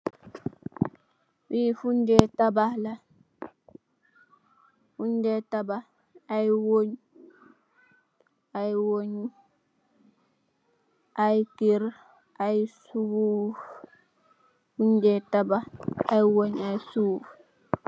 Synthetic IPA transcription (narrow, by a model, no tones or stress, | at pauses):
wifuɲd͡ʒetabahla | fuɲd͡ʒetaba | ajwoɲu | ajwoɲu | ʔajikiɾ | ʔajisuuf | fuɲd͡ʒɛtabaajwoɲajsuːf